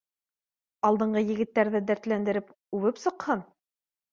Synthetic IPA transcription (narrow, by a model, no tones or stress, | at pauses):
ɑlˠd̪ɤ̆ɴɢɤjɘ̆ɡɘ̆t̪ːæɾðɘd̪æɾt̪lænd̪ɘ̆ɾɘp | ʉβɘpsɤ̆qhɤn